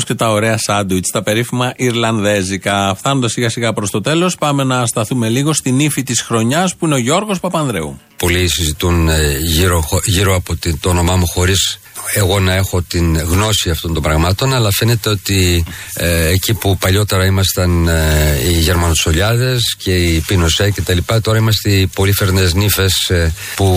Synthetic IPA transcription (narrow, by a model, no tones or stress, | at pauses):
sce̞t̪ɐo̞ɾe̞ɐsɐd̪uit̪st̪ɐpe̞ɾifimɐʔiɾlɐnðe̞zikɐfθɐno̞nd̪ɐsiɣɐsiɣɐpɾo̞st̪o̞t̪e̞lo̞spɐme̞nɐst̪ɐθume̞liɣost̪inifit̪isxɾo̞ɲɐspuine̞o̞ʝo̞ɾɣo̞spɐpɐnðɾe̞̰ṵ | po̞lisizit̪unʝiɾooʝiɾo̞ɐpot̪it̪oːno̞mɐmuxo̞ɾis | e̞ɣo̞nɐe̞xo̞t̪inɣno̞siɐft̪o̞nt̪o̞mbɾɐɣmɐt̪o̞nɐlɐfe̞ne̞t̪e̞o̞t̪i | ecipupɐʎo̞t̪e̞ɾɐimɐst̪ɐn | iʝe̞ɾmɐnot̪so̞ʎɐðe̞sce̞ipino̞sece̞t̪ɐlipɐt̪o̞ɾɐimɐst̪epo̞life̞ɾneznife̞s | pu